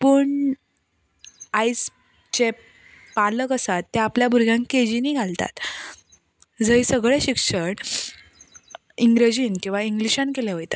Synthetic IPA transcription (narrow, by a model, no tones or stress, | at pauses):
pəːɳ | ajs | t͡ɕe | paləkəsat̪ːeapljabuɾɡʱjãŋkked͡ʑiniːɡʱalt̪a̰t̪ | d͡zəisəɡɭeɕikʂəɽ | iŋɡɾəd͡ʑiːnkĩw̃ʋaiŋɡliɕãnkelaʋəjt̪a